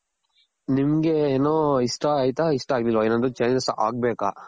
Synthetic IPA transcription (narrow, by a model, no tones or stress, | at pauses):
nimɐɡeːnoːiʂʈɐaːjt̪aiʂʈɐaːɡlilːʋaeːnond̪ut͡ʃɐjnesʔa̰ːɡ̚beːka̰